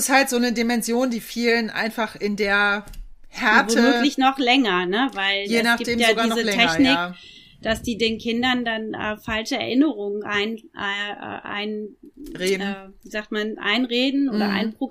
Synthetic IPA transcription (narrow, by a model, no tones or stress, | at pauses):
ɪshaltz̥oːnədimɛnzjoːndiːfiːlənʔa̰ɪnfaχɪndeːɐhɛɐvoːtːəmøːklɪçnɔχlɛŋɐnəvaɪljeːɛsnaɡipdeːmjaːodɡaːiːnzəlɛtʰɛçnɪk | d̥asd̥iːdeːnkʰɪndɐndanʔɛ̰ːfalʃəɛ̰ɐʔɪnəʁʊŋənʔaɪnʔaʔʔa̰ɪnʁeːdn̩ːviːzaːk̚tmanʔa̰ɪnʁeːdn̩ʔoːdɐʔa̰ɪnpʁ̥o